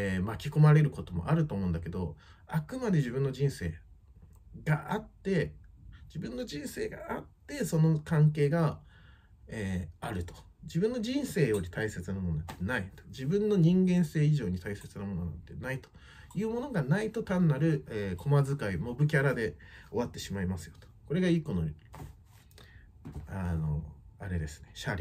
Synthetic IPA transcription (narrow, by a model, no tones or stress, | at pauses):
emakʲi̥ko̞maɾe̞ɾɯ̟ko̞t̪o̞mo̞̰ʔaɾɯ̟t̪o̞ːmo̞ɯ̃nd̪ake̞d̪o̞̰ | akɯ̟mad̪e̞ʑibɯ̟nːod͡ʑĩɰ̃se̞̰ː | ɡaʔat̪ːe̞d͡ʑibɯ̟̃nːo̞d͡ʑĩɰ̃se̞̰ːɡa̰ʔat̪ːe̞so̞no̞kãŋke̞ːɡa | eːaɾɯ̟t̪o̞̥ | d͡ʑibɯ̃nːo̞d͡ʑĩɰ̃se̞ːjo̞ɾʲit̪aise̞t͡sɨnamononat̪ːenait̪o̥d͡ʑibɯ̟̃nːo̞ɲ̟ĩŋɡẽ̞ɰ̃se̞ːiʑo̞ːɲ̟it̪aise̞t͡sɨnamo̞no̞na̰nt̪ːe̞nait̪o̥ | jɯ̟ːmo̞no̞ɡanait̪o̞t̪ãnːaɾɯ̟eːkʰo̞mazɨkaimo̞bɯ̟kʲaɾad̪e̞o̞βat̪ːe̞ɕimaimasɨjo̞̥t̪o̥ko̞ɾe̞ɡaiːko̞noɾ | ano̞̰aɾe̞d̪e̞sɨ̥ne̞ɕaɾʲi